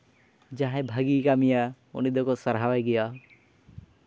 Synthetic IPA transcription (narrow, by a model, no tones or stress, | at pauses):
d͡ʒaɦɛ̃bʱaɡikamija | ṵnid̪ɔkɔsəɾɦawajɡɛja